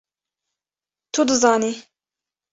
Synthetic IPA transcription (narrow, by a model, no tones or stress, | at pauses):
t̪ʰud̪ɨzɑːniː